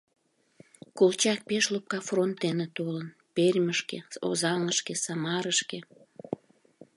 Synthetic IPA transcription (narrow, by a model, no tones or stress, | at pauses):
kolt͡ɕɑk̚peʃlup̚kɑfront̪̚d̪enet̪olən | perʲməʃkeo̰zɑŋəʃkesɑmɑɾəʃke